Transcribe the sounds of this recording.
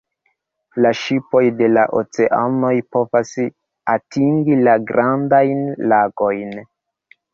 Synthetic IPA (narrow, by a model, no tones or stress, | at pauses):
laʃipo̞jde̞laʔo̰t͡se̞ʔano̞jpo̞vas | atʰiŋɡilaɡɾandajnlaɡo̞jn